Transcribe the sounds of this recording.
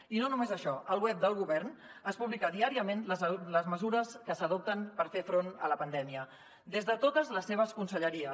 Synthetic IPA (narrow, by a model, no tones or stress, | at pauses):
inonumezəʃɔʔəlˠwɛp̚d̪əlˠɣuβɛɾnəspuβlikad̪iaɾiəmenlələzməzuɾəskəsəðop̚t̪ənpəɾfefɾonələpənd̪ɛmiə | d̪ezðət̪ot̪əzləsːeβ̞əskunsəʎəɾiə